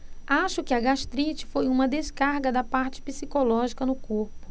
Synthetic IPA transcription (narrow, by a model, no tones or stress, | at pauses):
aʃʊkɪɐɡaʃt̪ɾit͡ʃɪ̥fojũmɐd̪eskaɾɡɐd̪ɐpaɾt͡ʃɪ̥pisikolɔʒikɐnʊkoɾpʊ̥